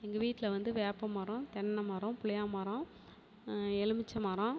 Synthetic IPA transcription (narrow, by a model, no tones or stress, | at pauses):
ɛŋɡɐʋiːʈːɪlɐʋɐnd̪ɯʋeːpːɐmɐːɾõt̪ɛnːɐmɐːɾõpʊɭɐjaːmɐːɾõ | ɛɻɯmɪt͡ʃːɐmaːɾõ